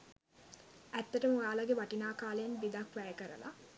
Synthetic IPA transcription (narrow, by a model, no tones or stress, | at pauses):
æt̪ːəʈəmuaːlaɡeʋaʈinaːkaːləjenʋid̪akʋæjəkəɾə̰la̰